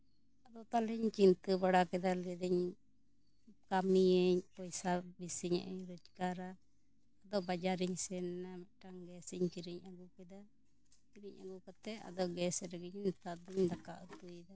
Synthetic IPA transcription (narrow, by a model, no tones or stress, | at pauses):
ad̪ɔt̪alɛɲt͡ʃint̪əbaɽakɛd̪alɛd̪ɛɲ | kamiɛɲpɔjsabisiɲa̰ʔɛɲɾɔd͡ʒkaɾaː | d̪ɔʔbad͡ʒaɾiɲsɛnnamɛʈaŋɡɛsɛɲt͡ʃiɾiɲaɡukɛd̪a | t͡ʃiɾiɲʔa̰ɡukat̪ɛa̰d̪ɔʔɡɛsɾɛɡɛɲnt̪ad̪iɲd̪akaʔut̪ud̪a